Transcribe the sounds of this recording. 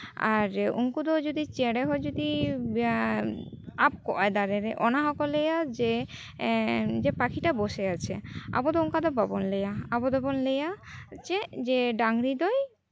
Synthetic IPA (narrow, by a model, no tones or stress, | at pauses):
a̰ɾṵŋkud̪ɔd͡ʒud̪it͡ʃeɽeɦɔjd͡ʒud̪i | ap̚kɔ̰ʔad̪aɾeɾeʔɔnaɦɔkɔlejad͡ʒe | d͡ʒepakʰiʈaboseat͡ʃʰea̰bɔd̪ɔuŋkad̪ɔbabɔnlejaabɔd̪ɔbɔnlejat͡ʃed͡ʒeɖaŋɾid̪ɔj